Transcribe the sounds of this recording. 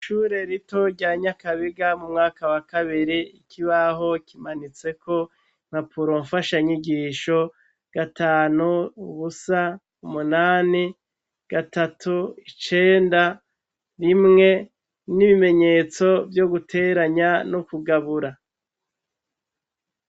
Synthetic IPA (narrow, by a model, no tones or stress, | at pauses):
ʃuːɾe̞ɾito̞ɾɟaɲakaβiɡamumŋaːkawakaβiɾiikʰiβaɦo̞kimanit͡se̞ko̞ | m̥apʰuɾoɱfaʃaɲiɡiʃo̞ | ɡ̥ataːnuːβusa | umunaːni | ɡ̥atatʰuit͡ʃe̞ːnda | ɾimŋe̞ | niβime̞ɲe̞ːt͡so̞vjo̞ɡutʰe̞ːɾaɲanukuɡaβuɾa